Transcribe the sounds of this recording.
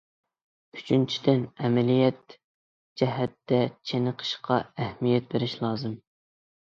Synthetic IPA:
kʲʰy̥t͡ʃʰynt͡ʃʰi̥d̪ɪnɛmɛlijɛt̪ | d͡ʒɛɦɛt̪ːɛt͡ʃʰenəqʰə̥ʃqʰɑæhmijɛt̪̚beɾɪʃlˠɑːzɨm

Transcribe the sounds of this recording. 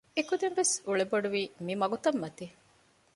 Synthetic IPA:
ekud̪inʋesuɭeboɖuʋiːmimɐɡut̪ɐmːɐt̪i

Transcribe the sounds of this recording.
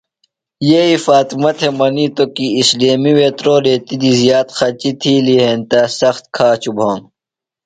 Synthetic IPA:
jeːifaːt̪imɐt̪ʰemɐniːt̪okiːsleːmiweːt̪ɾoːɾeːt̪id̪izjaːt̪xɐt͡ɕit̪ʰiːliɦẽnt̪aːsɐxt̪kʰaːt͡ɕʰubʱõːn

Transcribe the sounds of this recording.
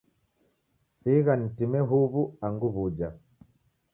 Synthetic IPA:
siɣan̩timɛɦuβuaŋɡuβud͡ʒa

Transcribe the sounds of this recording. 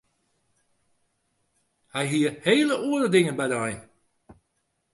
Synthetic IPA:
hɛjɦiəheːləʔuəɾədɪŋənbɛjdɛjn

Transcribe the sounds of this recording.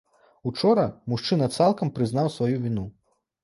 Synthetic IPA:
ut͡ʂɔɾɐmuʂt͡ʂɨnɐt̪salˠkɐmpɾɨznawsvajuvʲinu

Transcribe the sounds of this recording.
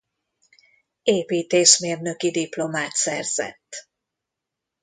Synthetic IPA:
eːpiːt̪eːʃmeːrnø̞kid̪iplo̞maːt̪sɛ̰rz̥ɛ̰t̪ː

